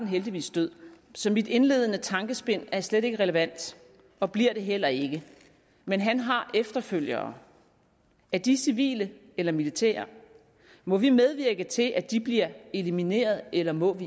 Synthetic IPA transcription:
n̩ɦeld̥iʋḭːsd̥øð̰ˠ | sɒ̽mid̥e̝nle̝ð̞̰ˠənət͡sʰɑ̈ŋɡ̥əsb̥e̝n̰æɐsleɾe̝ɡ̥əʁɛləʋæn̰d̥ | ɒ̽b̥liɐ̰ɾ̥e̝ɦel̰ɐe̝ɡ̥ə | menɦænɦɑ̈ʔefd̥ɐføl̰jɐː | æɐd̥isiʋḭːlə | elɐmilit͡sʰɛ̰ːɐ | mɒ̽ʋimeð̞ˠʋiɐɡ̥ət͡sʰe̝lʔæd̥ib̥liɐelimine̝̰ːɐð̞ˠelɐmɔ̽ʋi

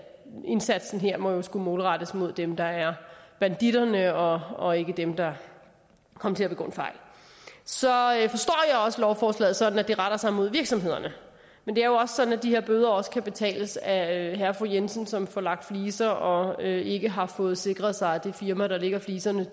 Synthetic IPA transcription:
e̝nsæd̥sn̩ɦeɐ̰mɒ̽jo̝sɡ̥umo̝ːlʁɑɾ̥əsmo̝ð̞̰ˠd̥emd̥ɑ̈æɐb̥ænd̥iɾ̥ɐnəɒ̽ɒ̽e̝ɡ̥əd̥emd̥ɑ̈ | kʰɒ̽m̰ɐt͡sʰe̝læb̥eɡ̥o̰ːnfɑ̈ɪ̰l | sɒ̽fɒ̽sd̥ɒ̰ːjɑ̈ɪɒ̽səlɒʊfɒːslɛ̰ːð̩ˠsɒ̽d̥n̩æd̥e̝ʁaɾ̥ɐsɑ̈ɪmo̝ð̞ˠʋiɐɡ̥sɒ̽mhe̝ð̞̰ˠɐnə | mend̥e̝æɐjo̝ɒ̽sə̥sɒ̽d̥n̩æd̥ihe̝ɐ̰b̥øːð̞ˠɐɒ̽sə̥kʰæb̥e̝t͡sʰɛ̰ːləsæøɦæɐfʁujensən̩sɒ̽mfɒlɑ̈ɡ̥̚d̥fliːsɐɒ̽øe̝ɡ̥əɦɑ̈fɔːð̞̩ˠse̝ɡ̥ʁɐð̩ˠsɑ̈ɪæd̥efiɐmɐɾ̥ɑ̈le̝ɡ̥ɐfliːsɐnə

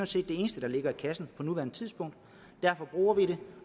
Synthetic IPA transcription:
nse̝̰ːd̥ːe̝e̝ːnəsd̥əd̥ɑ̈le̝ɡ̥ɐikʰæsn̩pʰɒ̽nuʋæɐnət͡sʰið̞ˠsb̥ɔ̽ŋ̰d̥ | d̥æɐfɒ̽b̥ʁṵːɐʋiɾe̝

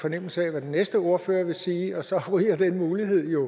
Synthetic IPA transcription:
fɒ̽nem̰l̩səɛʋæd̥enesd̥əo̝ɐføːɐʋe̝siːɒ̽sɒ̽ʁiɐd̥enmuːliɦe̝ð̞̰ˠjo̝

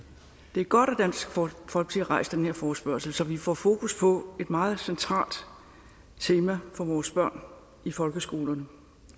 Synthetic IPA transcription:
d̥e̝æɐɡ̥ɒ̽ɾ̥æd̥æn̰sɡ̥fɒ̽l̰ɡ̥̚l̥ʰiæʁɑ̈ɪ̰sd̥enheɐfɒːsb̥ɶɐsl̩sɒ̽ʋifɒ̰fo̝ːkʰuspʰɒ̽e̝d̥mɑ̈ːð̞̩ˠsent͡sʰʁɑ̰̈ːld̥ | t͡sʰe̝ːmæfɒ̽ʋɒːsb̥ɶɐ̰n | ifɒ̽lɡ̥əsɡ̥o̝ːlɐnə

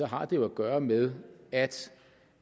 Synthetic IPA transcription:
ɒ̽ɦɑ̈d̥e̝jo̝æɡ̥ɶːɐmeð̞ˠæd̥

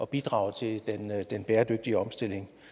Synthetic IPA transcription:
ɒ̽b̥id̥ʁɑ̈ʊt͡sʰe̝ld̥end̥enb̥eːɐd̥øɡ̥̚d̥iəɒ̽msd̥e̝l̰e̝ŋ

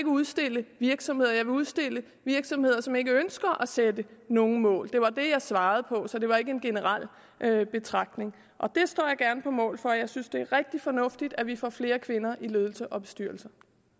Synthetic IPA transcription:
eɡ̥əuðˠsd̥e̝l̰əʋiɐɡ̥sɒ̽mhe̝ð̞̰ˠɐjɑ̈ɪʋe̝uð̞ˠsd̥e̝l̰ə | ʋiɐɡ̥sɒ̽mhe̝ð̞̰ˠɐsɒ̽me̝ɡ̥əønsɡ̥ɐʔæsed̥əno̝ːŋ̩mɔ̰̽ːld̥e̝ʋɑ̈d̥e̝jɑ̈ɪsʋɑ̈ːð̞̩ˠpʰɒ̽sɒ̽d̥e̝ʋɑ̈e̝ɡ̥əe̝nɡ̥e̝nəʁɑl̰ | ʔøb̥e̝t͡sʰʁɑ̈ɡ̥̚d̥ne̝ŋ | ʔɒ̽d̥e̝sd̥ɔ̰ːjɑɪɡ̥æɐnəpʰɒ̽mɔ̰̽ːlfɒ̽jɑ̈ɪsynsd̥e̝æɐʁɛɡ̥̚d̥ifɒ̽nɔ̽fd̥id̥æʋifɒ̰ːfle̝ːɐkʰʋe̝nɐʔiløːðˠl̩səʔɒ̽b̥e̝̥sd̥yɐl̩sɐ

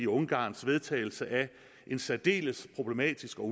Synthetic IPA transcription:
iɔ̽ŋɡ̥ɑ̰̈ːnsʋe̝ð̞ˠt͡sʰɛ̰ɪl̩səʔæ | ʔe̝nsæd̥e̝̰ːləspʰʁo̝b̥le̝mɛ̰ːd̥isɡ̥ɒ̽

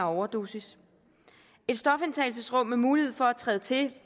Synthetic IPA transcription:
ɐɒʊɐd̥o̰ːsis | e̝d̥sd̥ɒ̽fent͡sʰɛ̰ɪls̬əsʁɔ̽m̰ːemuːlihe̝ð̞̰ˠfɒ̽æt͡sʰʁɛːðət͡sʰe̝

